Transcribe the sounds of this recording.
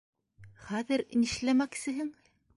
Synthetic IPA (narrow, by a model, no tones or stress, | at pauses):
χæðɘɾniʃlæmæksɘ̆ɦɘŋ